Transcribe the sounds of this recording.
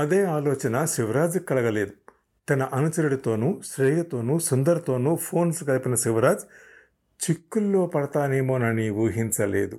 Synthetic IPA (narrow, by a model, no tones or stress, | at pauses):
ɐd̪e̞ːaːloːt͡ʃɐnɐʃiʋɐɾaːd͡ʒkːɐɭɐɡɐle̞ːd̪u | t̪ɐnɐʔɐnut͡ʃɐɾuɽit̪o̞ːnuʃɾeːjɐt̪oːnusund̪ɐɾɐt̪o̞ːnupʰo̞ːnskɐlipinɐʃiʋɐɾaːd͡ʒ | t͡ʃikːulːo̞ːpɐɽɐt̪aːneːmoːnɐniuːɦiɲt͡ʃɐlḛːd̪u